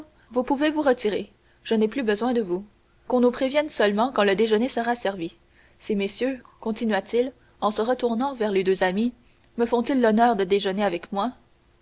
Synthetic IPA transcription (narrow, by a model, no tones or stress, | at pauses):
vupuvevuʁət̪iʁe | ʒ̥əneplybəzwɛ̃d̪əvu | kɔ̃nupχevjɛnsœlmɑ̃kɑ̃ləd̪eʒənesəʁasɛʁvi | semesjøkɔ̃t̪inɥat̪il | ɑ̃səʁət̪uʁnɑ̃vɛʁled̪øzami | məfɔ̃t̪ilːɔnœːʁd̪əd̪eʒəneavɛkmwa